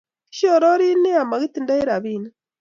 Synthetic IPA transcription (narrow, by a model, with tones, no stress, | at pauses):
ʃi˦o˦˨ɾo˦ɾi˦ne˦a˨ma˨ɣi˦t̪i˨nda˦i˦ɾa˨βi˦˨na˦